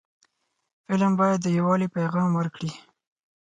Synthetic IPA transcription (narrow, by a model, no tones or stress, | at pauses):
fɪləmbɑjad̪ːəjawɑlipajɣɑmwəɾkɽi